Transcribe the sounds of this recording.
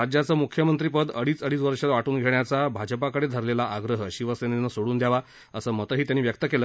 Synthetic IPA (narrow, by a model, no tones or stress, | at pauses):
ad͡ʑjat͡səːmukʰjəmənt̪ɾipəd̪əɽiːt͡səɽiːt͡sʋəɾʂəʋaʈuːnɡʱeɳjat͡sabʱad͡ʑəpakəɽed̪ʱəɾlelaʔaɡɾəɦəɕiʋəsenenəsoɽuːnd̪jaʋa | əsəːmət̪əɦiːt̪janːiʋjək̚t̪əkelə